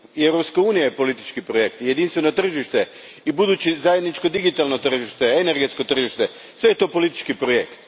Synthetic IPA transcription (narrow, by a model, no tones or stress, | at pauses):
ewɾopskauːnijajepo̞lit̪i̥t͡ʃkipɾojekt̪je̞d̪inst̪ʋeno̞t̪r̩ʒiʃt̪e̞ | ibud̪uːt͡ɕizajed̪nit͡ʃkod̪iɡit̪alˠno̞t̪r̩ʒiʃt̪e̞eneɾɡe̞t̪sko̞t̪r̩ʒiʃt̪e̞ | sʋe̞jet̪opo̞lit̪i̥t͡ʃkipɾoje̞kt̪